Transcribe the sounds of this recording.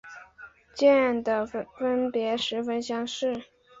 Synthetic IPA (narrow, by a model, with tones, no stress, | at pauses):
t͡ɕjɛ˥˩nd̪ə˩fə˥npjɛ˧˥ʂɻ̩˧˥fə˥nɕjɑ˥ŋʂɻ̩˥˩